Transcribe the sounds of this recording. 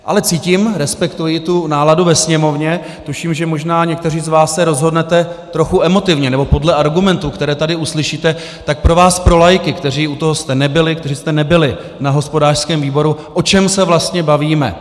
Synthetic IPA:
ʔa̰lɛt͡siːciːmɾɛspɛkt̪ujɪt̪unaːladuvɛsɲɛmo̞vɲɛ | t̪uʃiːmʒɛmo̞ʒnaːɲɛk̚t̪ɛr̝iːzvaːssɛɾo̞zɦo̞dnɛt̪ɛt̪ɾo̞xuʔɛmo̞t̪ɪvɲɛnɛbo̞po̞dlɛʔaɾɡumɛnt̪uːkt̪ɛɾɛːt̪adɪuslɪʃiːt̪ɛ | t̪ak̚pɾo̞vaːspɾo̞lajkɪkt̪ɛr̝iːut̪oɦost̪ɛnɛbɪlɪkt̪ɛriːst̪ɛnɛbɪlɪ | naɦo̞spo̞daːr̥skɛːmviːbo̞ɾuʔo̞t͡ʃɛmsɛvlast̪ɲɛbaviːmɛ̰

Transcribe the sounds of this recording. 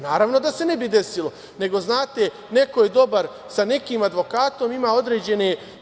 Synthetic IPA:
naːɾaʋno̞d̪ase̞ne̞bid̪e̞silo̞ | ne̞ɡo̞znaːt̪e | ne̞ko̞jed̪o̞baɾ | sane̞kiːmad̪ʋo̞kaːt̪o̞mimaːo̞d̪ɾeːd͡ʑe̞ne

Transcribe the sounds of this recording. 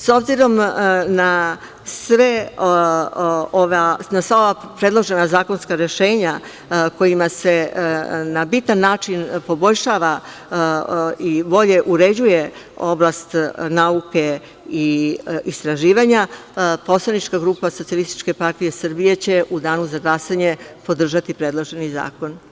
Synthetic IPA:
so̞bziɾo̞mna | sʋe | oʋanasʋaoʋapɾe̞d̪lˠo̞ʒe̞nazaːko̞nskaɾe̞ʃeːɲa | ko̞jimase̞ | nabit̪anːaːt͡ʃinpo̞bo̞ʎʲʃaːʋa | iʋo̞ʎe̞ʔuɾe̞d͡ʑuje̞o̞blˠast̪nauke̞ | iist̪ɾaʒiːʋaɲapo̞slˠanit͡ʃkaɡɾuːpaso̞t̪sialist̪i̥t͡ʃke̞paɾt̪ije̞sr̩bije̞t͡ɕe̞ʔud̪aːnuzaɡlasaɲe̞po̞d̪r̩ʒat̪ipɾe̞d̪lˠoʒe̞niza̰ːko̞n

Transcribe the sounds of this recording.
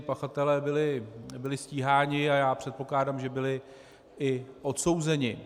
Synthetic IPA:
ɪpaxat̪ɛlɛːbɪlɪbɪlɪsciːɦaːɲɪajaːpr̥ɛt̪̚po̞klaːdamʒɛbɪlɪ | ɪʔo̞t̪so̞wzɛɲɪ

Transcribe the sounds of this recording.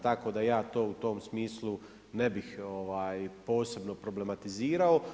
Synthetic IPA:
t̪ako̞d̪ajaːt̪o̞ːut̪o̞ːmsmiːslˠu | ne̞bixo̞ʋaːjpo̞ːse̞bno̞pɾo̞ble̞mat̪iziːɾao

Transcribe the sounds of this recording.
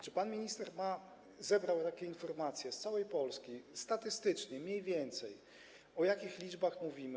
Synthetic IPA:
t͡ʂɘpanmʲiɲist̪ɛɾma | zɛbɾawt̪akʲɛinfɔɾmat̪sʲjɛst̪sawɛjpɔlskʲist̪at̪ɘst̪ɘt͡ʂɲɛmʲɲejvʲjɛnt̪sɛj | ɔjakʲixlʲid͡ʐbaxmuvʲimɘ

